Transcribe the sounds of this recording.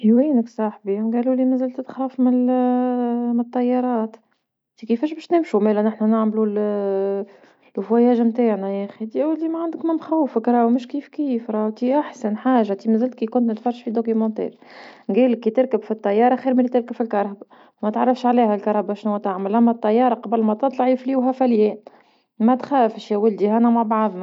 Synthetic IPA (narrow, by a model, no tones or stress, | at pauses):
ʔiwiːnəksˤɑħbinɡæːluːlimæzælt̪t̪xɾˤɑfmɪl | mnət̪ˤːɑjːɑɾˤɑːt̪ | t̪ikifɛːʃ̬bɛːʃt̪nɪmʃumæːlænɪħnænaʕmlul | fwæjæːʒmt̪aːʕnæʔæːxid̪iʔuːlt̪imæʕand̪əkmɪmxæwːəfəkɾˤɑwmʊʃkiːfkiːfɾˤɑːwt̪iʔaħsænħaːʒat̪imzɪlt̪̚kikʊnt̪nɪt̪fɑrˤɑʒfid̪okymɑ̃t̪ɛ̰ːɾ | ɡiːlkːit̪ɪɾˤkəbfit̪ˤːɑjːɑːɾˤɑxiːɾmælːit̪ɪɾkəbfilkɑɾˤhb | mæt̪ʕarˤːɑfʃʕliːhælkɑɾˤhɑbæʃnuwæt̪aʕməlʔæmːæt̪ˤːɑjːɑːɾˤɑqɑbəlmæt̪ɑt̪ˤlɑʕifliːwɦæfæljɛːn | mæt̪xæːfʃjæwəld̪ihænæmaʕbaʕðˤmæ